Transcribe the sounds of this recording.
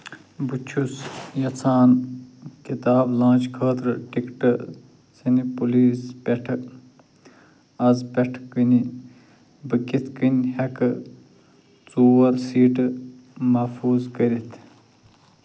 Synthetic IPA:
but͡ʃʰusjɐt͡sʰaːnkit̪aːblãːt͡ʃkʰəːt̪ɾɨʈikʈɨ | sɐnipuliːspeʈʰɨ | ɐzpɐʈʰkəni | bɨkit̪ʰkinʲhɐkɨ | t͡suːwɐɾsiːʈɨ | mɐfuːzkəɾit̪ʰ

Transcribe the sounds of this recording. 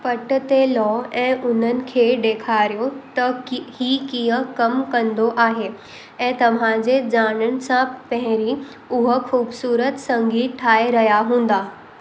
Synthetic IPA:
pɐʈt̪elɔːɛ̃ːʔʊn̤ənɪ̆kʰeːɖ̪eːkʰaːɾijot̪ɐhiːkijəkɐmkɐ̃nd̪oʔaːɦe | ɛ̃ːt̪ɐʋ̤ãd͡ʑed͡ʑaːɽ̃əñɪ̆sãpɐɦɪ̃ɾi | ʊɦə̆xuːbsuːɾət̪sɐ̃ŋɡiːt̪̚ʈʰaːeɾɐɦjaɦũːnd̪aː

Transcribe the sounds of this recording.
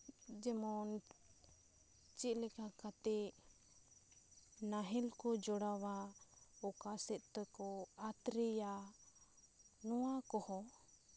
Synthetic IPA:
d͡ʒɛmɔn | t͡ʃit̪̚lɛkakat̪ɛ | naɦɛlkɔd͡ʒɔɽawaɔkasɛʔ̪t̪əkɔat̪ɾɛja | nɔwakɔhɔ

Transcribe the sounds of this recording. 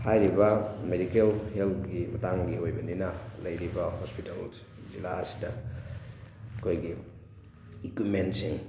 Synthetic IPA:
hajɾibɐmedikelheltɡimɐtaŋɡiojbɐninɐlɐjɾibɐhospital | zilaɐsi̥dɐ | ɐkʰojɡi | ikwimentsiŋ

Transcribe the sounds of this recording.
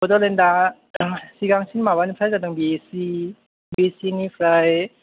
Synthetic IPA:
bɔdɔlenda | siɡaŋsinmaβanipʰɾajzadaŋbisi | besinipʰɾaj

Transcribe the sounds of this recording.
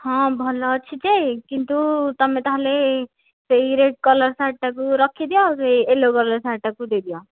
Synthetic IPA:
hãbʱɔlɔt͡ʃʰit͡ʃekint̪ut̪ʌmẽt̪ɔɦãle | seiɾeɖ̚kʌlʌɾsaʈakuɾʌkʰid̪ijoseielokʌlʌɾsaʈːakud̪ed̪ijo

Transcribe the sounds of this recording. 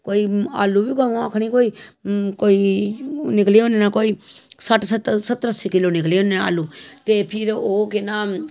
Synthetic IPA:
koːiːa̰ːlubiːkoãːkʰɽ̃ĩːkoːiːkoːiːnɪkleːõneːnaːkoːiːsəʈsət̪sət̪ɾəsiːkɪloːnɪkleõnea̰ːluːt̪eːpʰɪɾoːkenaː

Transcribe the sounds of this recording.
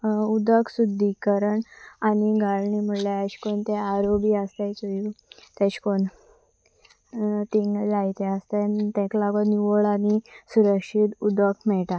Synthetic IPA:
ud̪əksud̪ʱːikəɾəɳaniɡaɭɳim̤əɽleaɕkont̪eaɾobiast̪et͡sojut̪ɛɕkon | t̪iŋɡd͡zajt̪eəst̪ent̪ɛ̃klaɡɔniʋoɭanisuɾəkʂit̪ud̪əkʰmɛʈa

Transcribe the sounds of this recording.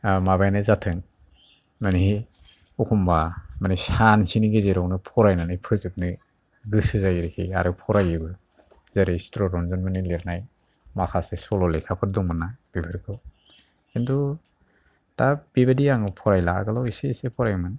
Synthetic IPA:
maβajnɯzatʰɯŋ | maniɦi | ukʰumbamanisansiniɡezeɾɔwnɯpʰɔɾajnanajpʰɯzɯk̚nɯ | ɡɯsɯzaɡiɾekʰiaɾɯpʰɔɾajɯɡɯ | zeɾestɾɔɾɔnzɔnmɯnileɾnaj | makʰasesɔlɔlekʰapʰɯɾdɔŋmɯnːab̥ibʰʱɯɾkʰɯw | kindu | tab̥ibadiaŋɯpʰɔɾajlaa̰ɡɯlawisesepʰɔɾajmɯn

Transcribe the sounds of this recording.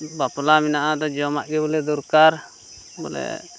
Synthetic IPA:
baplaminaʔad̪ɔd͡ʒɔmaʔɡɛbɔlɛd̪uɾkaɾ | bɔ̰lɛ̰

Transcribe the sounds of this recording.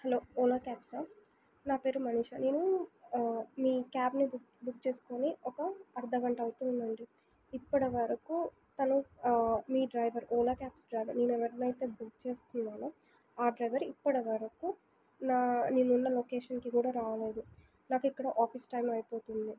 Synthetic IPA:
hɐlo̞ːɔːlɐkaːpsaː | naːpe̞ːɾumɐniʂɐneːnu | miːkaːbnib | buk̚t͡ʃe̞ːsu̥ko̞ːniɔkɐɐɾd̪ʱɐɡɐɳʈɐɐwt̪und̪ɐɳɖi | ipːɐɽɐʋɐɾɐku | t̪ɐnu | miːɖɾɐjʋɐɾɔːlɐkʲaːpsɖɾɐjʋɐɾneːnuɛʋɐɾnɐjt̪e̞ːbukt͡ʃe̞ːsu̥t̪unːaːnu | aːɖɾɐjʋɐɾipːɐɽɐʋɐɾɐku | naːniːnːunːɐloːkeːʂɐnkikuːɽaːɾaːɐle̞ːd̪u | naːkuikːɐɽɐʔaːpʰisʈɐjmɐjpo̞ːt̪und̪i

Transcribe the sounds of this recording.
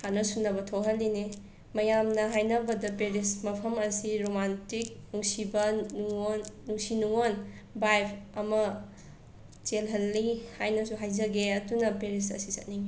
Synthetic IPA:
hanɐsunːɐbɐtʰowɦɐlːine | mɐjamnɐɦajnɐbɐdɐpeɾismɐpʰɐmɐsiɾomantik̚nuŋsibɐnuŋonːuŋsinuŋon | bajpʰɐmɐ | t͡ʃelɦɐlːihajnɐsuɦajzɐɡeɐdunɐpeɾisɐ̰sisɐ̰t̚niŋi

